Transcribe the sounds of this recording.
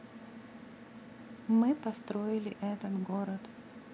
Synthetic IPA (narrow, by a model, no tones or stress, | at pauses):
mɨpɐst̪ɾoɪlʲɪʔɛt̪ət̪ɡoɾət̪